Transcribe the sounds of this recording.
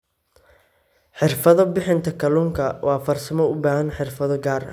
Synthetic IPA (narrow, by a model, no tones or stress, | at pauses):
ħɪrfɐðɔbɪħɪnt̪ʰɐkʰɐluːŋkʰɐwʔɑːfɐrsɐmɔʊbaːɦɐnħɪrfɐðɔɡaːrɐ̰